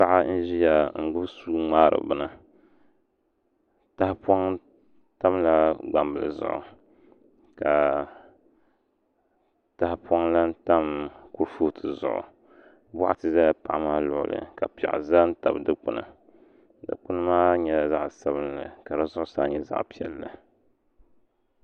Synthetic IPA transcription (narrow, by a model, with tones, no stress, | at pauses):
pa˦ʔa˦n̩˦ʒi˦ja˨ŋ̩˨ɡ͡bʊ˦bsu˦ŋ͡maː˦ɾɨ̰˨bɨ˦nɨ˦ | ta˦hpwa˦ŋ | ta˦mla˦ɡ͡ba˨mbɨ˨lɨ̰˨zʊ̰˦ʔʊ̰˨ | ka˨ | ta˨hpa˦ŋla˦n̩˦ta˦mku˦ɾfu˦˨tʰɨ˨zʊ̰˨ʔʊ̰˨ | ba̰˦ʔa˦tɨ˨za˦pa˨ʔmaː˦lʊ˨ʔʊ̰˦˨lɨ̰˨ka˨pi˨ɛ̰˨ʔza˦n˦ta˨bdɨ˦k͡pʊ˦nɨ̰˨ | dɨ̰˦k͡pʊ˦nɨ˦maː˦ɲɛ˨la˨za˦ʔsa˦bɨ˦nlɨ̰˨ka˨dɨ˦zʊ˦ʔʊ˦saː˦ɲɛ˦za̰˦ʔpi˦ɛ˦lːɨ˨